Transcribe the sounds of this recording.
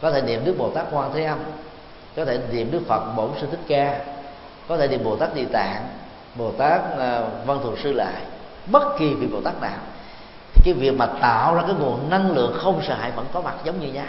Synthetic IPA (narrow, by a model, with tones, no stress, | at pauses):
kɔ˨˦t̪ʰe˧˩ni˨˩əmnɗɨ˦˥ək̚ɓo˨˩t̪aː˦˥k̚ːwaː˧t̪ʰe˨˦ʔə˧m | kɔ˨˦t̪ʰe˧˩nḭ˨˩əmɗɨ˦˥ək̚fə˨˩t̚ɓo˧˩˦nsɨ˧t̪ʰï˦˥k̚kaː˧ | kɔ˨˦t̪ʰe˧˩nḭ˨˩əmɓo˨˩t̪aː˦˥k̚ɗḭ˧˨t̪a̰ː˧˨n | ɓo˨˩t̪aː˦˥k̚ːvə˧nt̪ʰṵ˨˩ənsɨ˧la̰ː˧˨j | ɓə˦˥t̚ki˨˩vi˨˩ɓo̰˨˩t̪aː˦˥k̚na̰ː˧˨w | t̪ʰi˨˩kaː˨˦jvi˨˩ək̚maː˨˩t̪a̰ː˧˨wzaː˧kaː˨˦jɓṵ˨˩ənna˧ŋlɨ̰˧˨əŋxə˧wŋ͡msə̰ː˧˨ɦa̰ː˧˨jvə̰˧˥nkɔ˨˦ma˨˩t̚zə˨˦wŋ͡mɲɨ˧ɲaː˧